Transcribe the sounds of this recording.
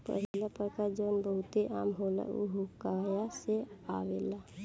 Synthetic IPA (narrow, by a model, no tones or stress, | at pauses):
pə̰ɦiilapəɾkaɾd͡ʒonbəɦut̪eʔa̰mɦola̰ṵɦukajasea̰wḛla